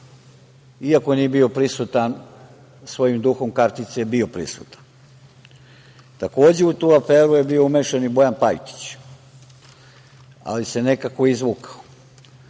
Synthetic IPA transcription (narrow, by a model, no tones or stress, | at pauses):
iako̞eniebio̞pɾisut̪an | sʋo̞jimd̪uxo̞mkaɾt̪it̪sejebio̞pɾḭsṵt̪ḁn | t̪ako̞ːd͡ʑe̞ut̪uːafeːɾuje̞bioumeʃenibo̞janpajt̪i̥t͡ɕ | a̰lise̞ne̞kakoizʋukḁo